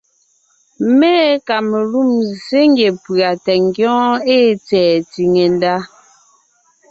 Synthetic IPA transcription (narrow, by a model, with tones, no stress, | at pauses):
mɛː˦ka˨me˨lu˦˨mze˦ŋ˦ɡje˨pɰa˨tɛ˨ŋ˦ɡjɔ̃ː˦eː˦˨t͡sɛː˨ti˨ŋe˨n˦da˦